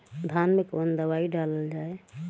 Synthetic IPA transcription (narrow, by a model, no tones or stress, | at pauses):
d̪ʱanmekənd̪əwaiɖaləld͡ʒaːe